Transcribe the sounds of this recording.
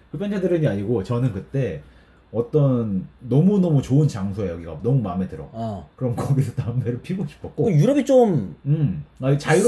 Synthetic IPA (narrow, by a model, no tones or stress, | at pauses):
kɯpʰjʌnt͡ɕʰedɯɾɯɲiaɲiɡot͡ɕʌnɯnkɯt͈e̞ | ʌt͈ʌnːʌmunʌmut͡ɕoɯnt͡ɕaŋsʰoejʌɡiɡa̰nʌmumame̞tɯɾʌ̰kɯɾʌmkʌɡisʰʌtambeɾɯɭpʰiɡoɕʰi̥pʰʌk̚k͈ojuɾʌbit͡ɕ͈omɯmat͡ɕaɾ